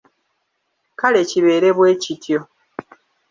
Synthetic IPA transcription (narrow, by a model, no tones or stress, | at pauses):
kale̞ciβe̞ːɾe̞βwe̞ːcitʰjo̞